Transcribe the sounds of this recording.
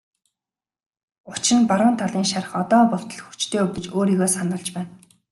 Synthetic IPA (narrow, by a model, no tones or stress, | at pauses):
ʊt͡ɕɪ̆npaɾʊːnt̪ʰaɮiːŋʃaɾə̆χɔt̪ɔːpʊɬt̪ə̆ɮ̆xu̥t͡ɕt̪ʰeːuwɡĕt͡ɕoːɾiːɣoːsanə̆ɮt͡ɕpæːn